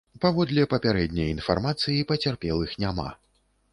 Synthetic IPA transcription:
pavɔd̪lʲɛpɐpʲaɾɛd̪ʲnʲɐjinfa̰rmat̪sɨjipɐt͡sʲarpʲɛlˠɨxnʲama̰

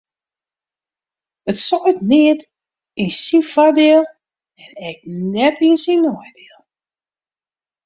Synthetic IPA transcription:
ətsɔətnɪət | insinfadɪəlˠ | ɛnɛk̚nɛtinsinɔjdɪəlˠ

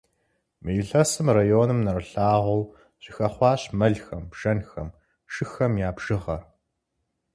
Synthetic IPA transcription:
mɨjɪɬɐsɨmrajoːnɨmnɐrɨɬaːʁʷɐw | ɕɪxɐχʷɑːɕmɐɮxɐmbʒ̥ɐnxɐm | ʃɨxɐmjaːbʒ̥ɨʁɐr

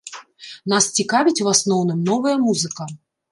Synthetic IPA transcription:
nast͡sʲikavʲit͡sʲvasnɔwnɨmnɔvɐjɐmuzɨkɐ

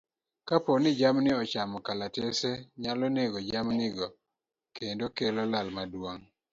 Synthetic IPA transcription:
kaponɪd͡ʒamnɪɔt͡ʃamɔkalateseɲalɔneɡɔd͡ʒamnɪɡɔ | kendokelɔlalmadwoŋ

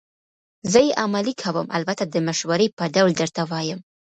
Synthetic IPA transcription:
zəjeʔamalikʰawəmʔa̰lbat̪ad̪əmaʃwaɾejpəɖawld̪əɾt̪awɑjəm

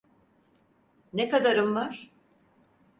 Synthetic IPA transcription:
nekad̪aɾɯmvaɾ̥

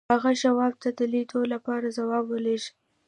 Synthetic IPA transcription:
aɣaʃawɑb̚t̪ad̪əlit̪olapɑɾazawɑbwəleʃi̥

